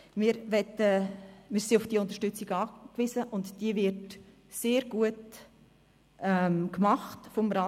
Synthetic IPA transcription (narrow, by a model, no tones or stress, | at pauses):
mɪɾʋɛtəmɪːɾsiʊfd̥iːʊnt̪ə̥ʃtʏt͡siɡɑːkvɪzəʔʊntd̥iəvɪɾd | seːɾɡ̥uət | ʔɛmkmɑχtfɔmɾɑ